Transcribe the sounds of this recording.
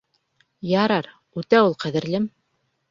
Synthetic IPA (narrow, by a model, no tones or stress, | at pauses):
jɑɾɑɾ | ʉt̪æulˠqæðɘ̆ɾlɘm